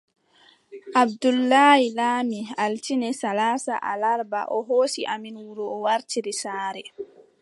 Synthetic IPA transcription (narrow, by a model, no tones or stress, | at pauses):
ʔabdulːaːjilaːmialtinɛsalaːsa̰ʔa̰laɾba̰ʔɔɦoːsiʔaminwuɾuːwaɾtiɾisaːɾɛ